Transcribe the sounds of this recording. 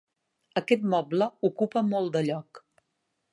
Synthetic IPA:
əkɛt̪mɔbləukupəmɔlˠd̪əʎɔk

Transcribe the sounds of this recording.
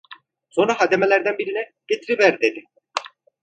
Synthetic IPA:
so̞nɾaɦad̪emelʲæɾd̪ænbiɾinɛɟ̥et̪ʰɾivæɾd̪ed̪i

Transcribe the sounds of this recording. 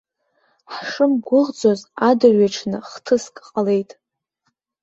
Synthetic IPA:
ħʂɨmɡʷʊʁd͡zozadɨrɥaʈ͡ʂʰnɨχtʰɨskʼqʼale̞jtʼ

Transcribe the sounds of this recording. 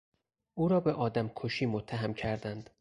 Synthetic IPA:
ʔuːɾɒːbeʔɒːd̪æmkʰoʃiːmot̪ʰːæɦæmcʰæɾd̪ænd̪

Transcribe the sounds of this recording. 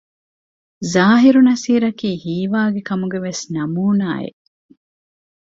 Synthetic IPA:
zaːɦiɾunɐsiːɾɐkiːhiːʋaːɡekɐmuɡeʋesnɐmuːnaːḛʔ

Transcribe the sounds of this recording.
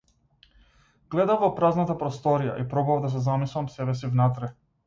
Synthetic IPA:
ɡ̥lɛd̪avvɔpɾaznat̪apɾɔst̪ɔɾija̰ʔipɾɔbavd̪as̬ɛzamislˠamsɛbɛs̬ivnat̪ɾɛ

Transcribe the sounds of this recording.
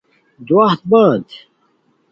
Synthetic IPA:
d̪uwaht̪̚baːd̪

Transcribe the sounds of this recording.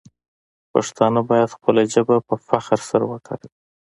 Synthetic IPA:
pa̰ʂt̪ɑnabɑjad̪xpəlaʒəbapəfaxɾsaɾawəkaɽi

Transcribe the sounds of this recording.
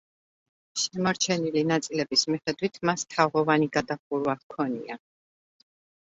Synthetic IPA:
ʃɛmɔɾt͡ʃʰɛnilinat̪sʼilɛbismiχɛd̪wit̪ʰmast̪ʰavʁɔvaniɡad̪aχuɾwakʰɔnia

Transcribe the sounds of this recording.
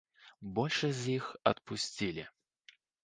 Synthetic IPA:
bɔlʲʂɐzʲjixɐ̰t̪̚pusʲt͡sʲilʲḭ

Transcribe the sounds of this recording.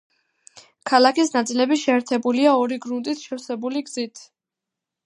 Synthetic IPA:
kʰalakisnat̪sʼilɛbiʃɛːɾt̪ʰɛbuliaɔɾiɡɾunt̪ʼit̪ʰʃɛfsɛbuliɡzit̪ʰ

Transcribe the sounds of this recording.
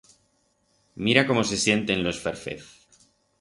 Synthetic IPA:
miɾako̞mo̞se̞sje̞nt̪e̞nlo̞sfeɾfḛθ

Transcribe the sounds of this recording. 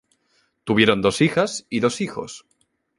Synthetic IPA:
t̪uβ̞je̞ɾo̞nd̪o̞sixasiðo̞sixo̞̰s

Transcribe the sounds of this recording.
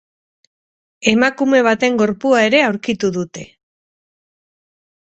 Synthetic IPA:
e̞makume̞β̞at̪e̞ŋɡo̞ɾpuae̞ɾe̞awɾkit̪uðut̪e̞

